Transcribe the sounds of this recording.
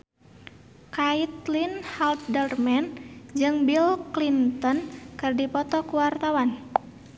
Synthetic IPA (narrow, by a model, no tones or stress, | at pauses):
kait̪linhalt̪̚dərmɛnd͡ʒɨŋbilklint̪ɔnkɨrdipɔt̪ɔkuwart̪awan